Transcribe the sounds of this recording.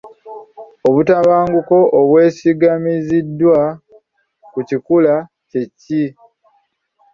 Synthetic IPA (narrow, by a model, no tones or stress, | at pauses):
oβutaβaːŋɡuko̞ʔːβwe̞ːsiɡamizidːwa | kucikula | ce̞ci